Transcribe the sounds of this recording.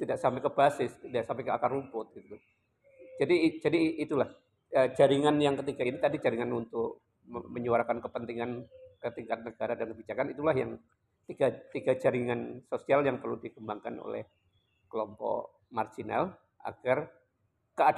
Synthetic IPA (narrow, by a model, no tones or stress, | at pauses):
t̪idaʔsampaɛjkəbasɪsdiaʔsampakəakarumpʊt̪̚ɡit̪uu | d͡ʒadid͡ʒadiːt̪ulah | əd͡ʒaɾiŋanjaŋkət̪iɡainit̪adid͡ʒaɾiŋanunt̪ʊk̚ | məɲuaɾakankəpənt̪iŋankət̪iŋkat̪̚nəɡaɾadankəbid͡ʒakanit̪ulaɦjaŋ | t̪iɡat̪iɡad͡ʒaɾiŋansosialjaŋpərludikəmbaŋka̰no̰lɛ̰h | kəlɔmpɔ̰ʔ | mard͡ʒina̰l | ʔa̰ɡ̥ar | kəa